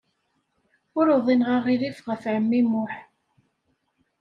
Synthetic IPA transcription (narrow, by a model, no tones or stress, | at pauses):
ʊɾoðˤinʁɑʁiɾifʁəfʕəmːimʊħ